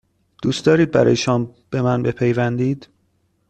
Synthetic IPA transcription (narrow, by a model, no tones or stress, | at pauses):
d̪̥uːst̪ɒːɾiːd̪̚bæɾɒ̰ːjeʃɒmb̥e̞mænbe̞pʰe̞jvænd̪iːd̪̥